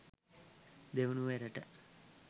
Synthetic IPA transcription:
d̪eʋunuʋeɾəʈə

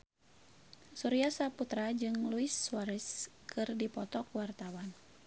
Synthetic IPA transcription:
suɾiasaput̪ɾad͡ʒɨŋluisːwaɾɛskʰɨrdipɔt̪ɔkuwart̪awan

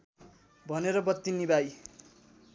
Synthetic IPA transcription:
bʱʌneɾʌbʌt̪ːinibaj

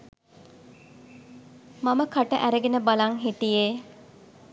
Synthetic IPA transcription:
maməkaʈəʔæɾeɡenəbalɐŋɦiʈijeː

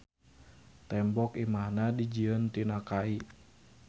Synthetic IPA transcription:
t̪ɛmbɔkimahnadid͡ʒiənt̪inakai

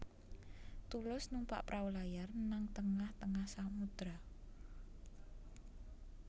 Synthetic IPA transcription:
t̪ulʊsnumpa̰ʔpɾʔawulajarnaŋt̪əŋaht̪əŋahsamud̪ɾa

